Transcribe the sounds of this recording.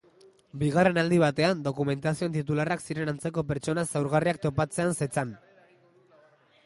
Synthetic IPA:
biɣare̞nald̪iβat̪e̞and̪o̞kume̞nt̪asio̞nt̪it̪ularaksiɾe̞nant͡se̞ko̞pe̞ɾt͡ʃo̞nasewɾɣariak̚t̪o̞pat͡se̞anset͡san

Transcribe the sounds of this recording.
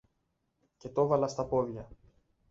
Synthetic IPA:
ce̞t̪o̞vɐlɐst̪ɐpo̞ðʝɐ

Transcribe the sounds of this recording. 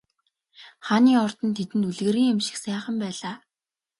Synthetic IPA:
χaːniːɔrt̪ɞ̆nt̪ʰet̪ɘ̆nt̪uɮɣɘ̆ɾiːŋemʃɪ̥̆xsæːχə̆mpæːɮaː

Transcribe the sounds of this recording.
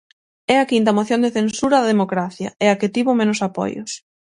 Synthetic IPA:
ɛɐkint̪ɐmoθjond̪eθensuɾɐðɐðemokɾaθjɐɛɐket̪iβʊmenʊsapɔ̰jʊ̰s

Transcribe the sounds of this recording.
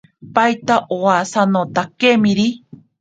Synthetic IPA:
pajt̪aʔoasanot̪akemĩɾi

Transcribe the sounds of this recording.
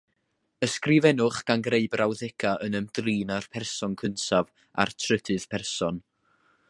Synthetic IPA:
əskrɪvɛnʊχɡ̥anɡreɨbrʔawðɛkʰaʔənəmdriːnarpʰɛrsɔnkʰəntʰav | a̰rtʰrədʰɨð̥pʰɛrsɔn

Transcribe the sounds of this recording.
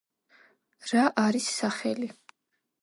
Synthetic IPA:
ɾaʔaɾisːaχɛli

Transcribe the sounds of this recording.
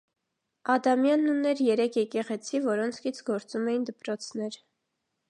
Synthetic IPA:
ɑd̪ɑmjɑnːunːɛɾjɛɾɛkʰjɛkɛʁɛt͡sʰivɔɾɔnt͡sʰkʰit͡sʰɡɔɾt͡sumɛjind̪əpɾɔt͡sʰnɛɾ

